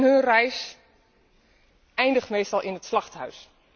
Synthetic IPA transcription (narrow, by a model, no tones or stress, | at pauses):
nɦønrɛjs | ʔɛjndəxtmeːstɑlˠʔɪnətslɑxthœ̰ɥs